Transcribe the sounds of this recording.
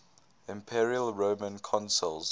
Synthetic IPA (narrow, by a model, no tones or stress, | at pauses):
ɪ̃mpʰiɹiəlˠɹoʊmə̃nkʰɔ̃nsəlˠz